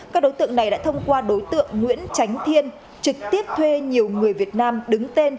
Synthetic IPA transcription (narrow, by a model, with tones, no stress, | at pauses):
kkaː˦˥k̚ɗo˨˦jt̪ɨ̰˧˨əŋna˨˩jɗa̰ː˧˥t̪ʰə˧wŋ͡mkwaː˧ɗo˨˦jt̪ɨ̰˧˨əŋːwḭ˧˥ənt͡ɕa˨˦jŋ̟t̪ʰi˧ən | t͡ɕɨ˨˩k̚t̪i˦˥əp̚t̪ʰwe˧ɲi˨˩əwŋɨ˨˩əjvi˨˩ət̚naː˧mɗɨ˨˦ŋt̪e˧n